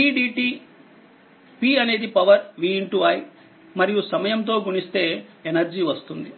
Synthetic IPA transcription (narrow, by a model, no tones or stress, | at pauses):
iːɖiːʈiː | piːɐne̞ːd̪ipɐʋɐɾʋiːiɳʈuaːj | mɐɾijusɐmɐjɐmt̪̬o̞ːɡuɳist̪e̞ːenɐɾd͡ʒiʋɐst̪und̪i